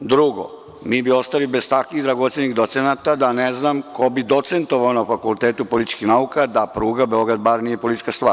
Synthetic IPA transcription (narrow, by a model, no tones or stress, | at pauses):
d̪ɾuɡo̰ | miːbio̞st̪alibez̥t̪akʋid̪ɾaɡo̞t̪seniɣd̪ot̪senat̪ad̪aneznamko̞bid̪o̞t̪se̞nt̪oʋaonafakulˠt̪eːt̪upo̞lit̪t͡ʃkixnaukad̪apɾuːɡabeo̞ɡɾad̪baɾnije̞po̞lit̪it͡ʃkast̪ʋa̰ːɾ